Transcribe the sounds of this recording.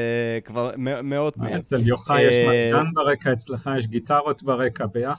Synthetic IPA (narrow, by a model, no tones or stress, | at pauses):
kvaʁmemeod̪̚meezeljoχajeʃmmaskanbeʁekaet͡sleχajeʃ̬ɡit̪aʁo̞t̪beʁekabejaχ